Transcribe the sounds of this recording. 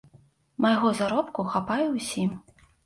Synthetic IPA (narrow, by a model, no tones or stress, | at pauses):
majɣɔzaɾɔpkuxapajɛwsʲim